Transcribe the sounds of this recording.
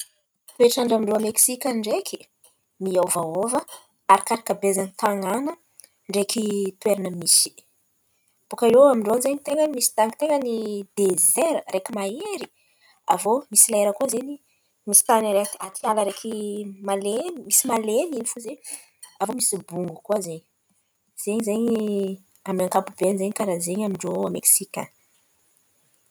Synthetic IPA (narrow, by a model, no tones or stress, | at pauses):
peʈ͡ʂaɳɖ͡ʐamiɳɖ͡ʐoameksikʲanɳɖ͡ʐekʰi̥ | miawvaovə | aɾikaɾakəbezanit̪aŋanə | ɳɖ͡ʐekʰit̪weɾanəmisi̥ | b̥ukailoamiɳɖ͡ʐonzeɲit̪eŋɡəmisi̥t̪aŋit̪eŋɡənid̪ezeɾəɾekimaeɾi̥ | a̰vomisilaeɾəkuazeɲi | misi̥t̪aniɾet̪iat̪ialəɾekʰimalenmisimaleninifuzeɲ | avomisibuŋɡukuazeɲi | z̥eɲizeɲi | amaŋkapubenzeɲikaɾazeɲamiɳɖ͡ʐoameksikʲa̰